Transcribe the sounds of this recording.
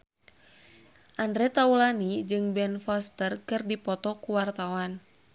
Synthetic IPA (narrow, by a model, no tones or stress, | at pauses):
ʔandɾɛt̪aulanid͡ʒɨŋbɛnfɔst̪ərkɨrdipɔt̪ɔkuwart̪awan